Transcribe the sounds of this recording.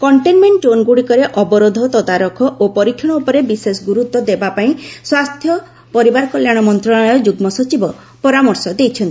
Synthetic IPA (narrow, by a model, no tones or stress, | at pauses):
kɔɳʈenmeɳʈonɡuɽikɔɾeʔɔbɔɾod̪ʱɔt̪ɔd̪aɾɔkʰɔʔopɔɾikʰːɔɽ̃ɔupɔɾebisesɡuɾut̪ːwɔd̪ebapaĩswast̪ʰjɔ | pɔɾibaɾɔkɔljaɽ̃ɔmɔnt̪ɾɔɭɔjɔd͡ʒuɡmɔsɔt͡ʃibɔ | pɔɾamɔɾsɔd̪ejt͡ʃʰɔnt̪i